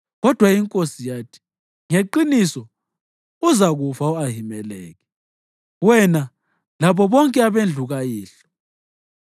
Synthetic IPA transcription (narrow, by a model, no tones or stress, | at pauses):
ɣɔd̥ʱwaiŋkʼosijaːtʰi̥ | ŋeǃinisɔ | uzaɣufauaɦimɛlɛ̰ːɣɛ | wɛna | laβɔβɔŋkʼɛaβend͡ɮʱuɣajiːɬɔ̥